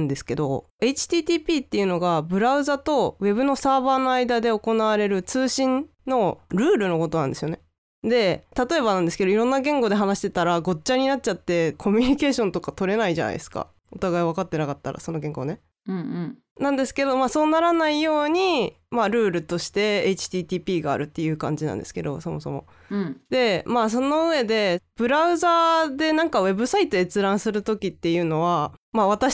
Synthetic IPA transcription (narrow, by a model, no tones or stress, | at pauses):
nd̪e̞sɨ̥ke̞d̪o̞̰ | e̞it͡ɕi̥t̪iːt̪iːpʲiːt̪ːe̞iɯ̟no̞ɡabɯ̟ɾaɯ̟zat̪o̞βe̞βɯ̟no̞saːbaːno̞aid̪ad̪e̞o̞ko̞naβaɾe̞ɾɯ̟t͡sɨːɕĩnː | o̞ɾɯ̟ːɾɯ̟no̞ko̞t̪o̞nãnd̪e̞sɨjo̞ne | d̪e̞t̪at̪o̞e̞βanãnd̪esɨ̥ke̞d̪o̞iɾõ̞nːaɡẽ̞ŋɡo̞d̪e̞ɦanaɕi̥t̪e̞t̪aɾaɡo̞t͡ɕːaɲ̟inat̚t͡ɕat̪ːe̞kʰo̞mʲyɲ̟ike̞ːɕõ̞nt̪o̞kat̪o̞ɾe̞naiʑa̰na̰ḭesɨ̥ka̰ | ot̪aɡaiβ̞akat̪ːe̞nakat̪ːa̰ɾa̰so̞no̞ɡẽ̞ŋɡo̞ne̞ | ɯ̃ɴ̃ːɴ | nãnd̪e̞sɨ̥ke̞d̪o̞maːso̞ːnaɾanaijo̞ːɲ̟i | maɾɯ̟ːɾɯ̟t̪o̞ɕi̥t̪e̞eit͡ɕi̥t̪ʲiːt̪ʲiːpʲiːɡa̰ːɾɯ̟t̪ːe̞jɯ̟ːkã̰ɲ̟d͡ʑinã̰nd̪e̞sɨ̥ke̞̰d̪o̞̰so̞mo̞so̞̰mo̞̰ | d̪e̞maːs̬o̞no̞ɯ̟βe̞d̪e̞b̥ɯ̟ɾaɯ̟zaːd̪e̞nãŋkaβe̞bɯ̟sait̪oet͡sɨɾãɰ̃sɨɾɯ̟t̪o̞kʲit̪ːe̞jɯ̟ːno̞βamaːβ̞at̪a